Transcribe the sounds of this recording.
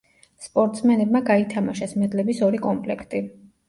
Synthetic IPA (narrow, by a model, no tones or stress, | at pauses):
spʼɔɾt̪ʼsmɛnɛbmaɡait̪ʰamaʃɛsmɛd̪lɛbisɔɾikʼɔmpʼlɛkʰt̪ʼi